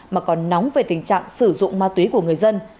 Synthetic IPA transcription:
maː˨˩kɔ˨˩nːɔ˨˦wŋ͡mve˨˩t̪ï˨˩ŋ̟t͡ɕa̰ː˧˨ŋsɨ˧˩zʊ̰˧˨ŋ͡mmaː˧t̪wi˨˦ku˧˩əŋɨ˨˩əjzə˧n

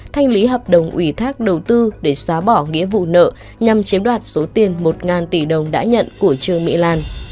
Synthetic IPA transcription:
t̪ʰa˧jŋ̟li˨˦ɦəː˨˩p̚ɗə˨˩wŋ͡mʔwi˧˩t̪ʰaː˦˥k̚ɗə˨˩wt̪ɨ˧ɗe˧˩swaː˨˦ɓɔ˧˩ŋḭ˧˥əvṵ˧˨nə̰˧˨ | ɲa˨˩mt͡ɕi˨˦mɗwaː˨˩t̚so˨˦t̪i˨˩ənmo˨˩t̚ŋaː˨˩nt̪i˧˩ɗə˨˩wŋ͡mɗa̰ː˧˥ɲə̰˧˨nku˧˩ət͡ɕɨ˧əŋmḭ˧˥laː˧˩n

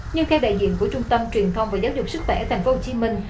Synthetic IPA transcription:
ɲɨ˧ŋxʰɛ˧wɗa̰ː˧˨jzḭ˧˨ənku˧˩ət͡ɕʊ˧ŋ͡mt̪ə˧mt͡ɕwi˨˩ənt̪ʰə˧wŋ͡mvaː˨˩zaː˨˦wzʊ˨˩k͡p̚sɨ˦˥k̚xwɛ˧˩t̪ʰa˨˩ŋ̟foː˨˦ho˧˩t͡ɕi˧˦mï˧˩ŋ̟

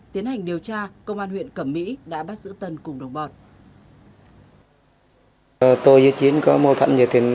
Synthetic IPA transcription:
t̪i˨˦ənha˨˩ŋ̟ɗi˨˩əwt͡ɕaː˧kə˧wŋ͡mʔaː˧nhwḭ˧˨ənkə˧˩mːḭ˧˥ɗa̰ː˧˥ɓa˦˥t̚zɨ̰˧˥t̪ə˧nkʊ˨˩ŋ͡mɗə˨˩wŋ͡mɓɔ˨˩t̚ | t̪o˧jzɨ̰˧˥t͡ɕi˨˦ənkɔ˨˦mo˧˩t̪ʰa̰˧˨nzə˨˩t̪ʰi˨˩

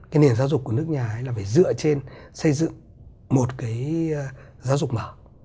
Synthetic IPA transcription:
kaː˨˦jni˨˩ənza˨˦zʊ˨˩k͡p̚kːən˦˥ək̚ɲaː˨˩ʔə˨˦jlaː˨˩faː˧˩jzɨ̰˧˨ət͡ɕe˧nsə˧jzɨ̰˧˨ŋ | mo˨˩t̚kaː˨˦j | zaː˨˦wzʊ˨˩k͡p̚məː˧˩

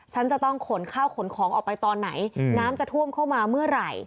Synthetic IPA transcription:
t͡ɕʰa˦˥nt͡ɕa˨˩t̪ɔ˥˩ŋkʰo˩˦nkʰaː˥˩wkʰo˩˦nkʰɔː˩˦ŋʔɔː˨˩pa˧jt̪ɔː˧nːa˩˦jnaː˦˥mt͡ɕa˨˩t̪ʰu˥˩əmkʰa˥˩wmaː˧mɯ˥˩ɐɾa˨˩j

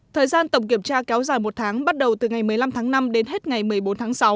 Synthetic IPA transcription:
t̪ʰəː˨˩jzaː˧nt̪ə˨˧˩ŋ͡mk̬i˧˩əmt͡ɕaː˧kɛ˨˦wzaː˧˩jmo˨˩t̚t̪ʰaː˨˦ŋɓa˦˥t̚ɗə˨˩wt̪ɨ˨˩ŋa˨˩jmɨ˨˩əjla˧mt̪ʰaː˨˦ŋna˧mɗe˨˦nɦe˦˥t̚ŋa˨˩jmɨ˨˩əjɓo˨˦nt̪ʰaː˨˦ŋsa˨˦w

